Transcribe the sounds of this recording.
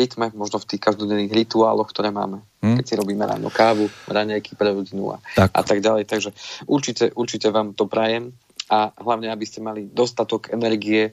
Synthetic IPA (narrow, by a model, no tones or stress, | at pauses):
ɾit̪mɛmɔʒnɔft̪iːxkazd̪ɔɲɛniːɣɾit̪ua̰ːlɔwxkt̪ɔɾɛːma̰ːmɛ | kkɛcsiɾɔbiːmɛɾa̰ːnɔ̰kaːʋuɾaɲajkipɾɛɾɔɟinṵa̰ʔa̰t̪aɡɟalɛjt̪aɡʒɛʔuɾt͡ʃicɛʔuɾt͡ʃicɛʋaːmt̪ɔpɾajɛm | aɦlaʊɲɛabiscɛmalid̪ɔst̪at̪ɔkɛnɛɾɡiɛ